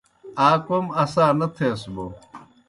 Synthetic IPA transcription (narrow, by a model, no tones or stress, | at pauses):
aːkomɐsaːnɐt̪ʰẽːsbo